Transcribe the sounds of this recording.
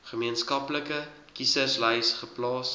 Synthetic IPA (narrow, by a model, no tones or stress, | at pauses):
χəmiənskɐpləkə | kisəslɛjsχəplɑːs